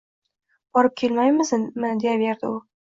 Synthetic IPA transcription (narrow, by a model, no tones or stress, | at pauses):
bɒɾɪp̚kʲʰe̞lmajmɪzmɪnd̪ejabeɾd̪ɪ̰ʊ